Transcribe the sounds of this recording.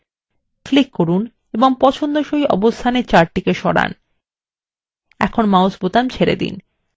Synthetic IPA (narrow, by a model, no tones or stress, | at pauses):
klikːoɾun | eboŋpɔt͡ɕʰond̪oʃojɔ̰bost̪ʰaneɾt͡ɕaɾʈikeʃɔɽa̰n | ɛkʰonmaosbot̪amt͡ɕʰeɾḛd̪ḭn